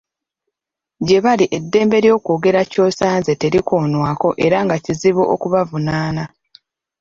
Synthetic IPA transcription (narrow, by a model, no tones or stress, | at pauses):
ɟe̞βaliʔe̞dːe̞ːmbe̞ɾjo̞ːkoːɡe̞ɾaco̞ːsaːnze̞te̞ɾikoːnwaːko̞ʔe̞ɾaŋɡaciziβoʔokuβavunaːna